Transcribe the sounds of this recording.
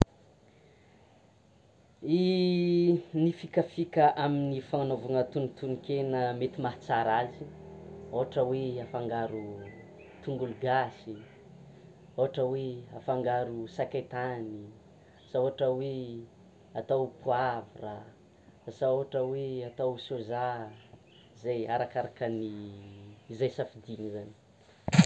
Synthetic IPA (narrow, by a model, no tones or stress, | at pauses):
i | nifikafikəʔaminifaŋanovuŋət̪unit̪unikenəmet̪imaɦt͡saɾaziowaʈ͡ʂəweafaŋɡaɾu | t̪uŋɡuluɡasi | oɦaʈ͡ʂəweafaŋɡaɾusakajt̪ani | saoɦaʈ͡ʂəwe | at̪awpuavira | saoaʈ͡ʂəweat̪awsoza | izajaɾakaɾakəniː | zajsafid̪inizani̥